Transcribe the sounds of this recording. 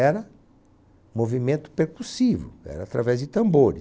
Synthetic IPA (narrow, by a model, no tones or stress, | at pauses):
ɛɾɐ | movimẽnt̪ʊ̥peɾkusivʊ̰ɛ̰ɾɐːt̪ɾavɛzd͡ʒɪt̪ɐ̃mboɾɪ